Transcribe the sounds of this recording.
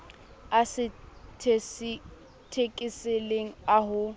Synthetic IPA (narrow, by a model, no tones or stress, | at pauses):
asɪtʰes | tʰekʼiseleŋ̩aɦʊ